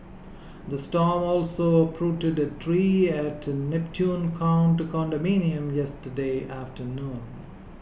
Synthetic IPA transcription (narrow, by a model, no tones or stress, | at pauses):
d̪əsʈɔːmɔːlsopʰɾuːʈɪɖəʈʰɾiːæʈnɛpʈʰjũːnkʰãʊ̃nʈukɔ̃nɖəmĩːniə̃mjɛsʈəɖeːʔæfʈʰənũːn